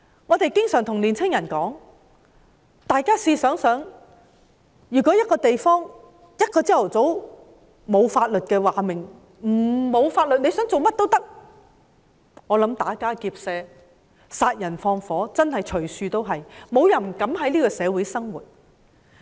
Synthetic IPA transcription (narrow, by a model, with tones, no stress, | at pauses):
ŋɔː˨˧t̪e˨jkɪ˥ŋsœː˨˩ŋt̪ʰʊ˨˩ŋliː˨˩nt͡sʰɪ˥ŋjɐ˨˩nkɔː˨˥ŋ | t̪aː˨˧jkaː˥siː˧sœː˨˥ŋsœː˨˥ŋ | jyː˨˩kʷɔː˨˥jɐ˥t̚kɔː˧t̪e˨jfɔː˥ŋ | jɐ˥t̚kɔː˧t͡siː˥jɐ˨˩wt͡so˨˥w | mo˨˧wfaː˧t̚lɵ˨t̚kɛː˧waː˨mɪ˨˩ŋ | m̩˨˩mo˨˧wfaː˧t̚lɵ˨t̚ne˨˧jsœː˨˥ŋt͡so˨wmɐ˥t̚t̪o˥wt̪ɐ˥k̚ | ŋɔː˨˧lɐ˨˥mt̪aː˨˥kaː˥kiː˧p̚sɛː˧ | saː˧t̚jɐ˨˩nfɔː˧ŋfɔː˨˥t͡sɐ˥nhɐ˨jt͡ʃʰɵ˨˩ɥsyː˧t̪o˥wɦɐ˨jmo˨˧wjɐ˨˩nm̩˨˩kɐ˨˥mɦɐ˨˥jliː˥kɔː˧sɛː˨˧wu˨˥jsɐ˥ŋwuː˨˩t̚